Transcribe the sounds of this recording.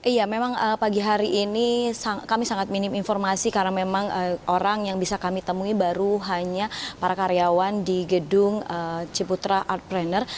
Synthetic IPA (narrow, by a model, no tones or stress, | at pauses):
ʔijamemaŋəpaɡiɦaɾiʔːnisakamisaŋat̪̚minɪminfɔrmasikarnamemaŋəʔoɾaŋjaŋbisakamit̪əmuibaɾuɦaɲapaɾakaɾeawandiɡədʊŋət͡ʃəput̪ɾaʔart̪̚bɾɛnər